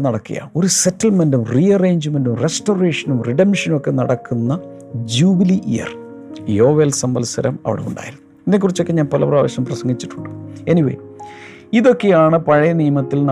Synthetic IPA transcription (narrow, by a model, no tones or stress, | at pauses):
nɐɽɐkːḭjɐ̰o̞ɾusetːɐlmendumriɐreːɲd͡ʑɨmendumresʈoːreːʂɐnumriɖɐmʂɐno̞kːe̞nɐɽɐkːunːɐ | d͡ʑuːbiliʔḭjɐ̰r | jo̞ːʋelsɐmbɐlsɐɾɐmɐ̰ʋḭɽeṵɳɖa̰ːjiɾunːuinːek̬ːurit͡ɕːo̞kːe̞ɲaːnpɐlɐpraːʋɐɕɐmprɐsɐŋɡit͡ɕːi̥ʈːuɳɖɨe̞niʋḛː | iðo̞kːe̞jaːɳɨpɐɻɐjɐnijɐmɐt̪ːiln